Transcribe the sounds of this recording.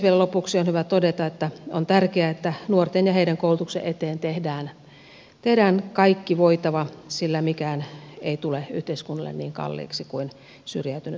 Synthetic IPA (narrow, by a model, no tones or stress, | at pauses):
ʋielælopuksionhyʋæt̪odet̪ɑet̪ːæont̪ærkeæet̪ːænuort̪enjɑheiɾæŋkoˑulut̪uksḛʔet̪eːnt̪ehdæːn | t̪ehdæːnkɑikːiʋoit̪ɑʋɑsilːæmikæːneit̪uley̰ht̪eiskunːɑlːḛnniːŋkɑ̰lːḭːksikuin | syrjæyt̪yny